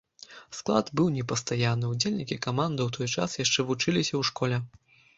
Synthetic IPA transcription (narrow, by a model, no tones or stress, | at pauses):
sklˠa̰d̪bɨwnʲɛpɐst̪ajanɨud͡zʲelʲnʲikʲikamand̪ɨwt̪ʰɔjt͡ʂa̰sjaʂt͡ʂɛvut͡ʂɨlʲisʲɐwʂkɔlʲɛ